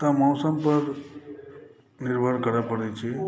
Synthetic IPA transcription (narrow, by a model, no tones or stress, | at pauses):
t̪amɔːsəmpəɾ | nɪɾbʱəɽkəɾapəɽet͡ʃʰe